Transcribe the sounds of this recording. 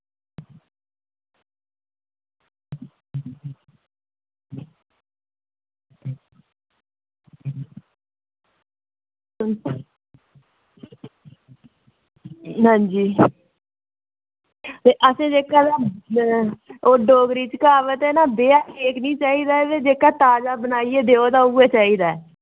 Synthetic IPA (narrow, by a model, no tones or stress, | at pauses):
ɦãːɲd͡ʒiː | t̪eːʔəsẽːd͡ʒeːkaːd̪aː | oːɖoːɡɾiːt͡ʃkaːʋət̪ɛːnaːbeːaːeːknĩːt͡ʃaːiːd̪aːʋeːd͡ʒeːkaːt̪aːd͡ʒaːbənaːieːd̪eːoːd̪aːʊeːt͡ʃaːiːd̪aːɛ